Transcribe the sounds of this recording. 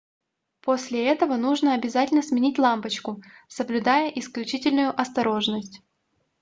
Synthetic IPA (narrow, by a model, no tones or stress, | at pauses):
pʰosʲlʲɪɛt̪əvənuʐnəɐbʲɪzatʲɪlʲnəsmʲɪnʲitʲlˠampət͡ɕkʊsəblʲʉd̪ajəʔɪsklʲʉt͡ɕitʲɪlʲnʊjʊʔɐst̪ɐɾo̞ʐnəsʲtʲ